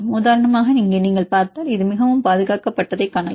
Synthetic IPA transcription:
muːðaːɾɐɳɐmaːɣɐniŋɡeːniːŋɡɐɭpaːɾt̪aːlɪðɯmɪɣɐʋɯmpaːðɯɣaːkɐpːɐʈːɐðɐɪkːɐɳɐj

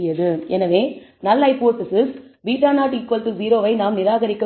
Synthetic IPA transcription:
jɐðɯʔɛnɐʋẽːnɐlːɐɪpoːɾʈɪsɪsʋiːʈːaːnaːʈːɪkːʋɐlt̪ːɯziːɾoːʋɐɪnaːmnɪɾaːɣɐɾɪkːɐ

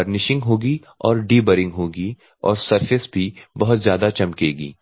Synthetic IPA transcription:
ɐɾnɪʃɪ̃ŋɡɦoːɡi | ɔːɾɖiːbəɾɪ̃ŋɡɦoːɡi | ɔ̰ːɾsɐɾfɪsbʱibɐɦʊt̪zjaːd̪at͡ʃɐmkeːɡḭː

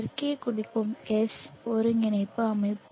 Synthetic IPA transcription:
ɾkeːkʊɽɪkːɯmkesɔɾɯŋɪnɐɪpːɯɐmɐɪpː

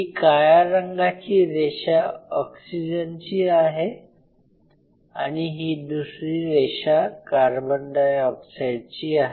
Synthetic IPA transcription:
ɦikajaɾəŋɡat͡ɕiːɾeɕaɔksid͡ʑənt͡ɕiːaɦe | a̰ɽ̃iɦiːd̪usɾiːɾeɕakaɾbənd̪ajɔksajɖ̚t͡ɕiːaɦe

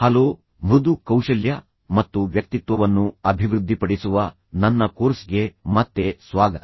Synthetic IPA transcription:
hɐloː | mɾud̪ukɐwʂɐljɐ | mɐt̪ːuʋjɐk̚t̪it̪ʋɐʋɐnːuɐbʱiʋɾud̪ʱːipɐɽisuʋɐ | nɐnːɐkoːɾsɡe̞mɐt̪ːe̞sʋaːɡɐt̪

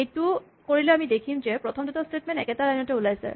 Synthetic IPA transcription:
ejtu | koɹilɛamidekʰimzɛpɹɔtʰɔmdutastetmɛntɛkɛtaɹajnɔtɛulajsɛ̰

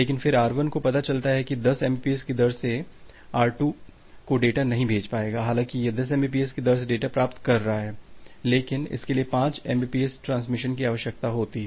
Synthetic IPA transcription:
leːkɪnfɪɾaːɾʋənkopɐt̪at͡ʃɐlt̪aɦɛkid̪ɐsɛ̃ːmbiːpieskid̪ɐɾse | aːɾʈuː | koɖeːʈanɐɦĩbʱeːd͡ʒpaːeːɡaːɦaːlãːkijed̪ɐs̬ɛ̃ːmbiːp̬iːɛskid̪ɐɾs̬eɖeːʈapɾaːpt̪kɐɾːɐɦaɦɛːleːkɪnɪ̰skeliepãːt͡ʃɛ̃mbiːpiːesʈɾãːnsmɪʃənkiaːʋəʃjək̚t̪aɦoːt̪iɛ

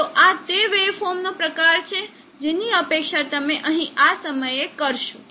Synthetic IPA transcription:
t̪oʔat̪eʋepʰomnopɾəkaɾt͡ʃʰe | d͡ʒeniəpekʃat̪əmẽʔəɦĩʔasəməjekəɾʃu

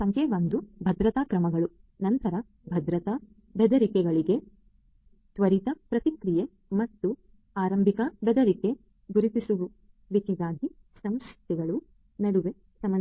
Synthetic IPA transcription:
sɐŋkʰeʋɐnd̪ubʱɐd̪ɾɐt̪aːkɾɐmɐɡɐɭu | nɐnt̪ɐɾɐ | bʱɐd̪ɾɐt̪ɐ | bɛd̪ɐɾikɛɡɐɭiɡe̞ | t̪ʋɐɾit̪ɐpɾɐt̪ikɾije | mɐt̪ːu | aːɾɐmbʱikɐbʱɛd̪ɐɾike̞ | ɡuɾit̪isuʋu | ʋikɛɡaːɡi | sɐmskit̪iɡɐɭu | nɐɽuʋe̞ | sɐmɐ

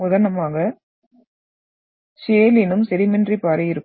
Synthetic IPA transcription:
ʊðɐnɐmaːɣɐ | seːlɪnɯmsɛɾɪmɛndripaːɾɐɪɾɯkː

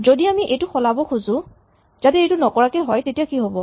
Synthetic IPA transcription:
zodiamiʔejtʊxɔlabɔxʰuzʊ̃ | z̥atɛejtʊnɔkɔɹakɛɦɔjtetijakiɦobɔ

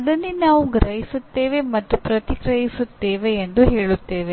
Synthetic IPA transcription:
ɐd̪ɐnːinaːʋuɡɾɐjisut̪ːe̞ːʋe̞mɐt̪ːupɾɐt̪ikɾɐjisut̪ːe̞ːʋeːnd̪uɦe̞ːɭut̪ːe̞ːʋe

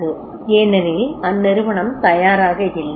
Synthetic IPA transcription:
ɯ | eːnːɐnilɐnːeɾuʋɐɳɐmt̪ɐjaːɾaːɣɐɾilːɐ

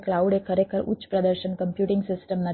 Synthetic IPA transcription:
klauɖekʰəɾekʰəɾṵtːt͡ʃːə̥pɾəd̪əɾʃənkəmpjuʈiŋɡsɪsʈəmnə

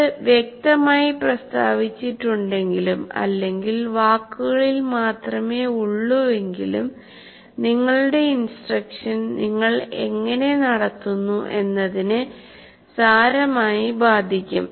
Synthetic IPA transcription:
ɨʋjek̚t̪ɐmaːjiprɐst̪a̰ːʋit͡ɕːiʈːuɳɖe̞ŋɡilumɐ̰lːe̞ŋɡilʋaːkːuɣɐɭilmaːt̪rɐme̞ːuɭːue̞ŋɡilum | niŋːɐɭuɽe̞insʈrɐkʂɐnniŋːɐɭe̞̰ŋːɐne̞nɐɽɐt̪ːunːuʔe̞nːɐðinɨ | saːɾɐmaːjibaːd̪ʱikʲːṵm

